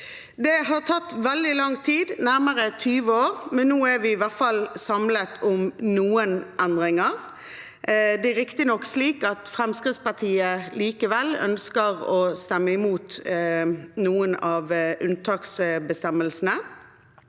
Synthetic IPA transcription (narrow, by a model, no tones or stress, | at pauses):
d̪ɛɦɑʁt̪ʰɑt̪ːʋɛld̪ɪlɑŋt̪ʰiːd̪næʁməʁət̪ʰyːʋəoːʁmɛnːoːæɾʋɪːʋæʁt̪fɑlsɑmlət̪ʰʊmnuːənʔænd̪ʁɪŋəʁ | d̪ɛæɾɪkt̪ɪnɔksliːkɑt̪fʁɛmskʁɪt̪spɑʁt̪ʰiːəliːkəʋɛlœ̰nskəʁɔst̪ɛmːəɪmuːt̪ | nuːənɑʋʔʉnt̪ʰɑːksbəst̪ɛməlsnə